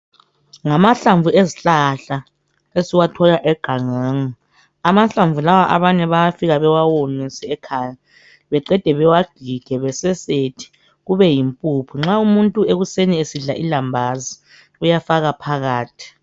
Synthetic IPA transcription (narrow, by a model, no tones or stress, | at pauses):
ŋamaɬaɱvueziɬaɬa | esiwatʰɔlaʔɛɡ̥ʱaŋaːŋa | amaɬaɱvulawaʔaβaɲɛβajafiɣaβɛwawonisɛɛkʰaːja | βɛǃɛd̥ʱɛβɛwaɡ̥ʱiɡ̥ʱɛβɛsɛsetʰi̥ | ɣuβɛjimpʼupʰiŋ͡ǁaumuntʼueɣuseniesiɮaʔilambʱazi | ujafaɣapʰaɣaːtʰi̥